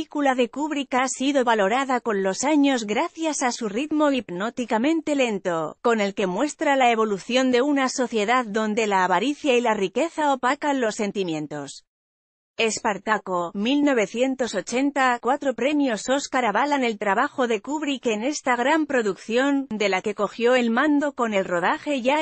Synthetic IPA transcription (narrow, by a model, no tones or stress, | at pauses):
ikulaðe̞kuβɾikasiðo̞βalo̞ɾaðako̞nlo̞saɲozɣɾaθjasasurit̪mo̞ibno̞t̪ikamẽ̞nt̪e̞le̞nt̪o̞ko̞ne̞lke̞mwe̞st̪ɾalae̞β̞o̞luθjo̞nd̪e̞unaso̞θje̞ðaððo̞nd̪e̞laːβaɾiθjailarike̞θaopakanlo̞sːe̞nt̪imjẽ̞nt̪o̞s | e̞spaɾt̪ako̞milno̞β̞e̞θje̞nt̪o̞so̞t͡ʃe̞nt̪akwat̪ɾo̞pɾe̞mjo̞so̞skaɾaβalane̞lt̪ɾaβaxo̞ðe̞kuβɾikene̞st̪aɣɾampɾo̞ðukθjo̞nd̪e̞lake̞ko̞xjo̞e̞lmãnd̪o̞ko̞ne̞lro̞ðaxe̞ʝa